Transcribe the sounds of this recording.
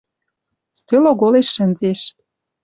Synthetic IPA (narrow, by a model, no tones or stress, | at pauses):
st̪øloɣoleʃːə̆nzeʃ